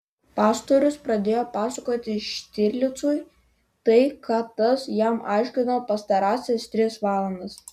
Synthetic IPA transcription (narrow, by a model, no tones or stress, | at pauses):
pɑːst̪oɾʲʊspɾɐd̪ʲeːjoːpɑːsɐkoːt̪ʲɪʃʲt̪ʲɪɾʲlʲɪt̪suːj | t̪ɐɪkɑt̪ːɐsjæmʔɑ̰ɪʃʲkʲɪnɐpɐst̪ɐɾɑːsʲɛst̪ʲɾʲɪsʋɑːlˠɐnd̪ɐs